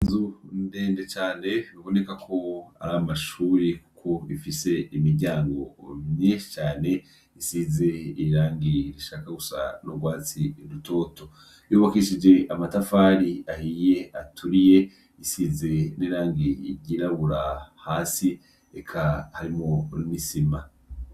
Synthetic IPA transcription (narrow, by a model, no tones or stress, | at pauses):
nzundeːnde̞t͡ʃaːne̞βiβo̞ne̞kakʰo̞a̰ɾamaʃuːɾikukʰo̞ifise̞imiɾɟaːŋɡo̞mɲet͡ʃaːne̞ | isize̞iɾaːŋɡiɾiʃaːkaɡusa̰noɡwaːt͡siɾuto̞ːto̞ | joːβakiʃid͡ʒe̞ʔamatafaːɾiahije̞atʰuɾije̞ | isize̞niːɾaːŋɡiḭɟiɾaβuɾahaːsi | ekʰahaɾimoɾimisima